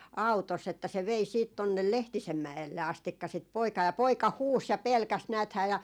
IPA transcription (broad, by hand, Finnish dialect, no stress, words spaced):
ɑu̞tosː etːæ se ʋei siːt tonːel lehtisem mæelːe ɑstikːɑ sit poikɑː jɑ poikɑ huːs jɑ pelkæs næːthæː jɑ